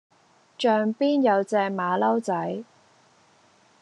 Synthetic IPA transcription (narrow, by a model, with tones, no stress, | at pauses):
t͡ʃœː˨˧ŋpiː˥njɐ˨˧wt͡sɛː˧kmaː˨˧lɐ˥wt͡sɐ˨˥j